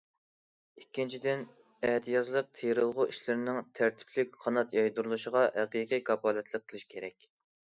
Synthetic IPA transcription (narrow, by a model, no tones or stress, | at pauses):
ikʲːint͡ʃʰid̪ɪn | ɛt̪ʰijɑzlˠəq̚t̪ʰeɾɨlˠʁʊʔiʃlɪɾɪnɪŋt̪ʰæɾt̪ʰɪ̥plɪk̚ʲqʰɑnɑt̪jɑjd̪uɾulˠuʃəʁɑhɛqiqijkʰɑpʰɑːlˠɛt̪ʰlˠəq̚ʰːəlˠɨʃkʲʰeɾɛkʲ